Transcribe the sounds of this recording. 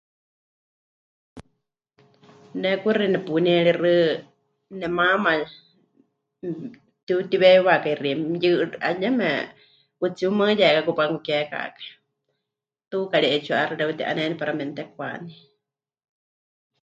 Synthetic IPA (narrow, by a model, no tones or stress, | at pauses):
nɛkurinɛpunɛɺirɨ | nɛmama | t̪ut̪iβɛwakairijɨʔa̰ɲɛmɛ | ut͡siuməjɛkakupaŋkukɛka̰kḁ | t̪ukaɺiʔɛt͡ʃʰuaʔaɾɨɾɛut̪iʔa̰nɛnɛpaɾamɛnt̪ɛkwa̰ni